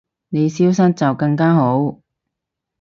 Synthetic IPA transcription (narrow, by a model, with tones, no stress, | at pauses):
ne˨˧jsiː˥wsɐ˥n̚t͡sɐ˨wkɐ˧ŋkaː˥ɦo˨˥w